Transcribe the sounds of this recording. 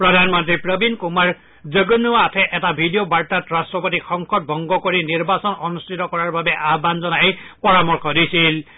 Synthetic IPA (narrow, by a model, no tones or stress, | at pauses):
pɹɔdʱanmɔntɹipɹɔbinkumaɹ | zəɡonuatʰɛʔɛtabʱidijobaɹtatɹastɹɔpotixɔŋkʰɔt̚bʱɔŋɡɔkoɹiniɹbasɔnɔnustʰitɔkɔɹaɹbabɛʔaɦbanzɔnajepɔɹamɔɹkʰɔdisil